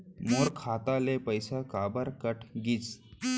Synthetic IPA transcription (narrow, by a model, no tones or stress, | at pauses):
moɾkʰat̪alepəjsakabəɾkəʈʰɡiːt͡s